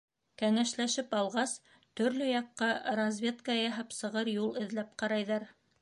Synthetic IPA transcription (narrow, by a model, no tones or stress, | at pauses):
kæŋæʃlæʃɘpɑlˠʁɑs | t̪ɵ̆ɾlɵjɑqːɑɾɐzʲvʲet̪kɑjɑɦɑpsɤ̆ʁɤɾjulˠɘ̆ðlæp̚qɑɾɑjðɑɾ